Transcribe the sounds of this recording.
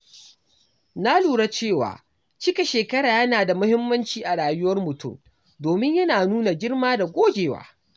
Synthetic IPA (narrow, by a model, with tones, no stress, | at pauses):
na˦luː˨ɽa˦t͡ʃeː˦˨wa̰ː˨ | t͡ʃɪ˦ka˨ʃeː˨kɐ˦ɽaː˨jɐ˦naː˨da˨mʊ˦hɪ˦mːɐ˦nt͡ʃiː˦ʔa˨ɽaː˨jʊ˦wɐ˦rmʊ˨tʊ˦˨m | doː˨mɪ˦ɲjɐ˦naː˨nuː˦na˨ɡʲɪ˦rmaː˦da˨ɡʷoː˦ɡʲeː˨wa̰ː˦